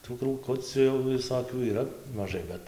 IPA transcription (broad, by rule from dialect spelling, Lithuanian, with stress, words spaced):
tuː kruːˈkʊt͡sʲʊ jɛʊ ʋʲɪˈsoːkʲuː iːˈrɐ mɐˈʒɐɪ ˈbʲɛt